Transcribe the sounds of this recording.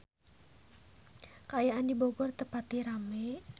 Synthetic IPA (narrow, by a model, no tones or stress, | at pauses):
kajaʔandiboɡɔrt̪əpat̪iɾame